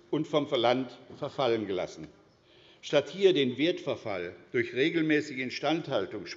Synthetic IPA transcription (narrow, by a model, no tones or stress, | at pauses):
ʔʊntfɔmfɛɐlantfɛɐfalənɡəla̰sn̩ | ʃtathiːɐdeːnvɪɐtfɛɐfa̰ld̥ʊɐçʁeːɡl̩mɛːsɪɡəɛntʃtanthaltʊŋʃ